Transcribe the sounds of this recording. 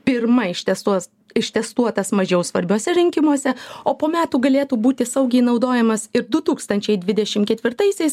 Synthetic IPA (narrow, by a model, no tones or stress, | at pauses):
pʲɪɾmɐɪʃt̪ʲɛst̪uɔs | ɪʃt̪ʲɛst̪uɔt̪ɐsmɐʒʲɛʊsʋɐɾʲbʲoːsʲɛɾʲɪŋʲkʲɪmuɔsʲɛoːpoːmʲæːt̪uːɡɐlʲeːt̪uːbuːt̪ʲɪsɐʊɡʲɛɪnɒʊd̪oːjɛmɐsɪɾd̪ʊt̪uːkst̪ɐnʲt͡ʃʲɛɪd̪ʲʋʲɪd̪ʲɛʃʲɪmkʲɛt̪ʲʋʲɪɾt̪ɐɪsʲɛɪs